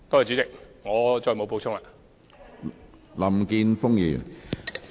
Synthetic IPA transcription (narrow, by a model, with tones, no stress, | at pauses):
t̪ɔː˥jɛ˨˩t͡ʃy˨˥t͡sɪ˨k̚ŋɔː˨˧t͡ʃɔː˧jmo˨˧wp̬o˧wt͡ʃʰʊ˥ŋlaː˧ | lɐ˨mkiː˧nfʊ˥ŋjḭː˨˩n